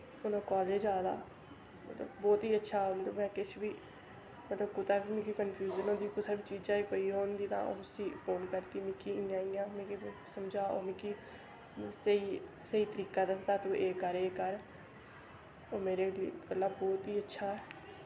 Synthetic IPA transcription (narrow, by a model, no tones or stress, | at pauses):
ʊnõːkɔːld͡ʒeːd͡ʒjaːd̪a̰ː | mə̰t̪ləbːɔːt̪iːətːʃʰaːmət̪ləbmɛ̃ːkɪt͡ʃʰbiː | mət̪ləb̚kʊt̪aːbiːmĩkikənpʰjuːd͡ʒənõːd̪iːkʊsaːbiːt͡ʃiːd͡ʒãːikoːiːɦoːnd̪iːt̪ã̰ːʔo̰ːsiːpʰoːnkəɾt̪iːmɪkiːnãːĩːãːmẽːkisəmd͡ʒaːoːmĩːkiː | səiː | səiːt̪əɾiːkaːd̪əsd̪aːt̪ũːʔeːkəɾeːkəɾ | oːmeːɾeːliːpəlːaːbɔːt̪iːətːʃʰaːɛː